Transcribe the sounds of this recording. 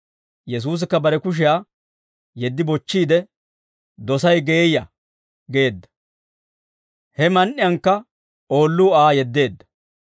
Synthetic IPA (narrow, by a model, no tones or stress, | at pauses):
jɛs̬uːs̬ɪkːɐbɐɾɛkʊʃ̬ɪjaː | jɛd̪ːɪbɔt͡ʃːiːd̪ɛ | d̪ɔsɐjɡe̞ːjɐ | ɡe̞ːd̪ːɐ̥ | hɛmɐnʔɪjɐŋkːɐ | oːlːuːaːjɛd̪ːe̞ːd̪ːɐ̥